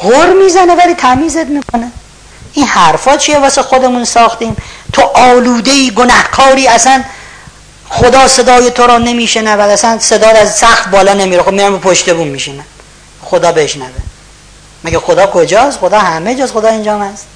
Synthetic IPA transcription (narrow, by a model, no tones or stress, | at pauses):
ɣoɾmiːzænevæliːt̪ʰæmiːzet̪miːkʰo̞ne | ʔinhæɾfɒːt͡ʃʰijevɒːsexod̪emunsɒːxt̪iːmt̪ʰoʔɒːluːd̪eiːɡonæhkʰɒːɾiːæsæn | xod̪ɒːse̞d̪ɒːjet̪ʰoɾɒːne̞miːʃenævæd̪æsænsed̪ɒːd̪æzsæxt̪bɒːlɒːnemiːɾexobmiɾæmbepʰoʃt̪ebuːnmiʃinæm | xod̪ɒːbeʃnæve | mæɡæxod̪ɒːkʰod͡ʒɒːst̪xod̪ɒːhæmed͡ʒɒːsxod̪ɒːend͡ʒɒːmæst̪